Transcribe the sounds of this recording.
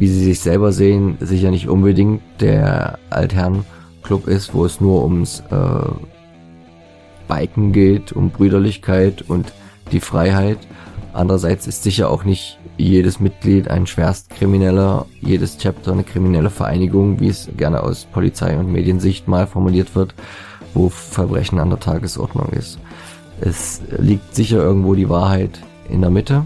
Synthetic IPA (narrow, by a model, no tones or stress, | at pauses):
viːziːzɪçz̥ɛlbɐzeːənzɪçɐnɪçtʔʊnbədɪŋtd̥ḛːɐʔa̰ltɦɛɐn | kʰlʊpɪstv̥o̰ːɛsnuːɐʔʊmsʔɛ̰ː | b̥aɪkŋ̩ɡeːtʰʊmbʁyːɾɐlɪçkʰaɪtʊntd̥iːfʁ̥aɪɦaɪtʔa̰ndəʁɐzaɪt͡sɪ̥stz̥ɪçɐʔa̰ʊxnɪçtjeːɾəsmɪt̚ɡ̥liːta̰ɪnʃv̥eːɐstkʁ̥iminɛlɐjeːdəst͡sʰɛp̚tʰɐnəkʁ̥iminɛləfɛɐʔa̰ɪnɪɡʊŋvḭːɛsɡ̥ɛɐnə̰ʔa̰ʊspʰɔlḭt͡sa̰ɪʊntmḛːdjənzɪçtmaːlfɔɐmuliːɐtv̥ɪɐt | v̥oːfɛɐbʁɛ̰çn̩andeːɐtʰaːɡəsʔɔ̰ɐdnʊ̰ŋʔɪ̰st | ʔɛ̰sliːk̚tz̥ɪçɐʔɪɐɡŋ̩tv̥oːɾiːvaːɐɦaɪt | ʔɪ̰ndeːɐmɪtə